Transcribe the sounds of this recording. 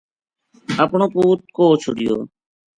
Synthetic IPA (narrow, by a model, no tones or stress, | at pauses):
əpɳoːpuːt̪̚koːt͡ʃʰo̰ɽijo̰ː